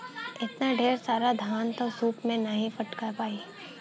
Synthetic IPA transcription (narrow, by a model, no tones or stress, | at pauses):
ɪt̪naɖʱeːɾsaːɾad̪ʱjaːnt̪osuːpmẽnɐɦĩfɐʈkapaːi